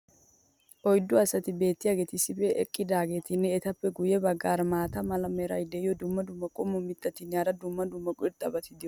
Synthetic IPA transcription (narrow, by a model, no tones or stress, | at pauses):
ʔɔjd̪ːʊɐsɐt̪ɪbe̞ːt̪ːɪjaːɡe̞ːt̪ɪsːɪfɛʔɛ̰kʼːɪd̪aːɡe̞ːt̪ɪnːɛːt̪ɐpːɛɡʊjɛbɐɡːaːɾmaːt̪ɐmɐlɐmɛɾɐ̰jd̪ɛɪjɔd̪ʊmːɐd̪ʊmːɐkʼɔmːɔmɪt̪ːɐt̪ɪnjaːɾɐd̪ʊmːɐd̪ʊmːɐkʼʊɪɾt̪ʼːɐbɐt̪ɪd̪ɪjɔ